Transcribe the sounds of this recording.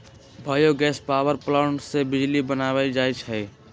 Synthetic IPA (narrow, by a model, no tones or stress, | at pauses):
bʱaːjoɡɛːspaːwəɾplaːnsebɪd͡ʒlibənaːʋaid͡ʒaːit͡ʃʰɛ